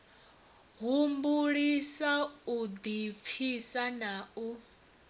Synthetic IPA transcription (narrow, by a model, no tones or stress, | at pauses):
ɦumbuɺisaud̪ip̪fʰisanau